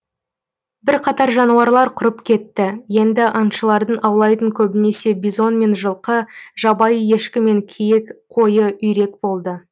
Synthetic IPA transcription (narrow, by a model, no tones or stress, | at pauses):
bɪɾqʰɑt̪ɑɾʒɑnuɑɾlˠɑɾqʰʊɾəpkʲʰe̞t̪ːɪje̞nd̪ɪʔɑnʃəlˠɑɾd̪əɴʔɑwlˠɑjt̪əŋkʲʰɵbɪne̞se̞bizo̞nme̞nʒəlˠqəʒɑbɑjəje̞ʃkʲɪme̞ŋkʲʰejekqʰo̞jəʔʏjɾe̞kbo̞lˠd̪ə